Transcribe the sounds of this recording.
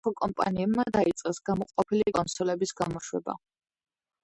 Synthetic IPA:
ɔkʼɔmpʼa̰niɛbmad̪ait̪sʼqʼɛsɡ̥amɔqʼɔpʰilikʼɔnt̪sɔlɛbisɡamɔʃwɛba̰

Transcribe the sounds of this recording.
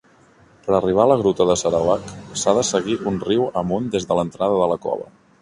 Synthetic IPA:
pəɾəriβ̞aələɣɾut̪əðəsəɾəwaksaðəsəɣiʔunriwəmund̪ezðələnt̪ɾaðəðələkɔ̰βə̰

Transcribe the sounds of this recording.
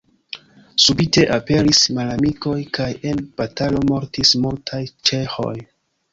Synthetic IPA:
subite̞ʔape̞ɾismalamiko̞jkaje̞nb̥atalo̞mo̞ɾtismultʰajt͡ʃe̞xo̞̰j

